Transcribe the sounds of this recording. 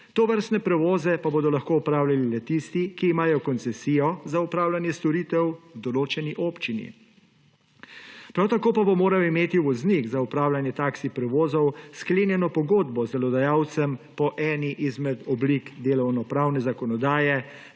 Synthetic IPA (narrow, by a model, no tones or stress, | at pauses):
t̪ɔʋəɾst̪nɛpɾɛʋoːzɛpaboːd̪ɔlaxkoːupɾaːwlʲalilɛt̪ist̪ikiːmaːjɔkɔnsɛsiːjɔzaupɾaːwlʲanjɛst̪ɔɾiːt̪ɛwwd̪ɔloːt͡ʃɛniʔoːpt͡ʃinḭ | pɾawt̪akoːpabɔmoːɾajɔimeːt̪iuʋɔznikzaupɾaːwlanjɛt̪aːksipɾɛʋoːzɔwskleːnjɛnɔpɔɡoːd̪bɔzɛlɔd̪ajaːwt̪sɛmpɔʔɛːniʔizmɛt̪ɔblikd̪eːlɔwnɔpɾaːwnɛzakɔnɔd̪aːjɛ